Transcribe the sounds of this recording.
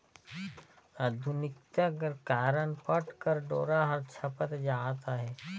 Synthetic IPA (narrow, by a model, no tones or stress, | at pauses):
ad̪ʱʊnɪk̚t̪aɡəɾkaːɾənpəʈkəɾɖoːɾaɦɐɾt͡ʃʰɐpət̪d͡ʒaːt̪aɦɛː